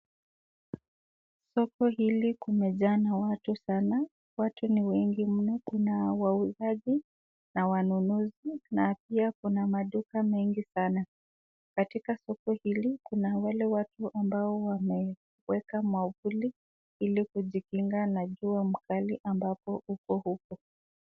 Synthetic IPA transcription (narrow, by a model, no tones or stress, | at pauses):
sɔkɔhilikumɛʄanawatusana | watuniwɛŋɡim̩nɔkunawauzaʄi | nawanunuzinapiakunamaɗukamɛŋɡisana | katikasɔkɔhilikunawalɛwatuʔambaɔwamɛ | wɛkamwavuli | ilikuʄikiŋɡanaʄuam̩kaliʔambapɔukɔhukɔ